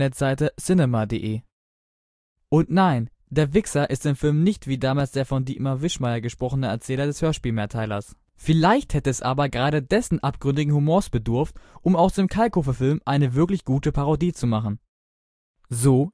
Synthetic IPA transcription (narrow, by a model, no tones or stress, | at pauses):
ɛtz̥aɪtəsɪnɛmadḛːʔeː | ʔʊntnaɪn | d̥eːɐvɪksɐʔɪstɪmfɪlmnɪçtv̥iːdaːmaːlsd̥eːɐfɔndiːtmavɪʃmaɪɐɡəʃpʁ̥ɔχənəɛɐt͡sɛːlɐdɛshøːɐʃpiːlmɛɐtʰaɪlɐ̰s | fɪlaɪçthɛtəɛsʔaːbɐɡəʁaːɾədɛsn̩ʔap̚ɡ̥ʁʏndɪɡŋ̩humoːɐsb̥ədʊɐftʔʊmaʊxdɪmkʰalkofɐfɪlmʔaɪnəvɪɐklɪçɡ̥uːtəpʰaʁodiːt͡sumaχn̩ | zoː